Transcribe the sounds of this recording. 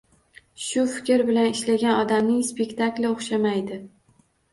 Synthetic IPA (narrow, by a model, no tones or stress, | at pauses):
ʃʊfɪ̥kʲɾbɪlanɪʃlaɡʲanɒd̪amnɪŋspekʲt̪ʰaklʲɪoχʃamajd̪ɪ